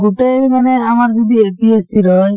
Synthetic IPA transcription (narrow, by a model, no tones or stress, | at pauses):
ɡuʈeɾimanɛamaɾd͡ʒɔd̪ieʈiesiɾɔj